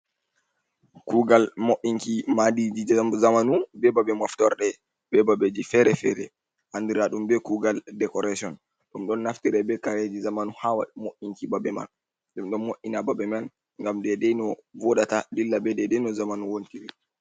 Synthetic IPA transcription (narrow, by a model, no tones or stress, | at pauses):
kuɡalmoʔiŋkimadid͡ʒizamanubɛbabɛmaftɔɾɗɛ | bɛbabed͡ʒifɛɾɛfɛɾɛ | ʔandiɾaɗumbɛkuɡaldɛkɔɾasiɔn | ɗumɗɔnːaftiɾɛbɛkaɾed͡ʒizamanuhawa̰ɗmoʔiŋkibabɛma̰n | ɗɛmɗɔnmoʔinababɛman | ŋɡamdɛdɛjnɔvɔɗatadilːabɛdɛdɛnɔzamanuwontiɾi